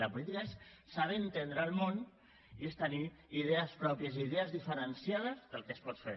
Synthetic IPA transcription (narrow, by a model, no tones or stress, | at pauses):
ləpulit̪ikaesː | aβent̪end̪ɾəːlˠmon | iest̪əni | iðeəspɾɔpjəziðeəzðifəɾənsjaðəzðəlˠkespɔt̪fḛ